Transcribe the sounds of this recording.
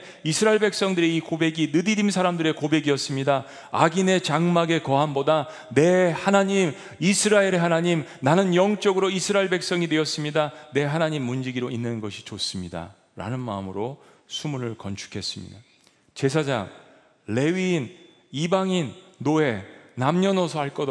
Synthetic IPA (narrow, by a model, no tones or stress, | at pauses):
isʰɯɾaeɭbe̞k̚s͈ʌŋdɯɾeikobe̞ɡinɯdiɾimsʰaɾamdɯɾe̞kobe̞ɡiʌs͈ɯmɲida | aɡine̞t͡ɕaŋmaɡe̞kʌɦamboda | ne̞hanaɲim | isʰɯɾaeɾeɦanaɲimnanɯnjʌŋt͡ɕ͈ʌɡɯɾoisʰɯɾaeɭbek̚s͈ʌŋidwe̞ʌs͈ɯmɲidane̞ɦanaɲimːund͡ʑiɡiɾoinːɯnɡʌɕʰit͡ɕos͈ɯmɲida̰ | ɾa̰nɯnma̰ɯmɯɾo | sʰumuɾɯɭkʌnt͡ɕʰu̥kʰe̞s͈ɯmɲḭda | t͡ɕe̞sʰad͡ʑa̰ŋ | le̞ɥiːn | ibaŋinːoe̞namɲʌnʌsʰʌɦaɭk͈ʌ